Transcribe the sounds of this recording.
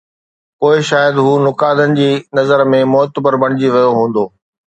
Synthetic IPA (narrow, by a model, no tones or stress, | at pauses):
koːɪʃaːjəd̪ɦuːnʊkaːd̪ənɪ̆d͡ʑiːnɐzəɾmẽmʊɦt̪əbəɾbɐɽ̃ɪd͡ʑiʋɐjoɦũːn̆d̪oː